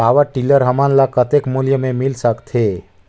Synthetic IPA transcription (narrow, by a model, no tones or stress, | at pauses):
aːʋəʈiləɾɦəmanlakət̪ekmulijəmẽmɪlsəkt̪ʰɦeː